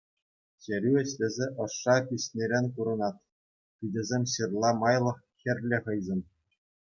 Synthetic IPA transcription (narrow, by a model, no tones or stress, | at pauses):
ɕeɾʲyɘ̆ɕlʲɘ̆zʲeʔɤ̆ʂːɑpʲiɕʲnʲeɾʲenʲkuɾɤ̆nɑt̪̚ | pʲidʲɘ̆zʲemʲɕirlˠɑmɑjlˠɤ̆χxʲɘ̆rʲlʲɘ̆χɤ̆jzʲɤ̆n